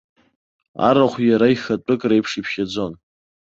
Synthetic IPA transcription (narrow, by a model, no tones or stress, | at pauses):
a̰ɾaχʷjaɾaixat͡pʷʼɨkʼrajpʰʂipʰʃad͡zo̞n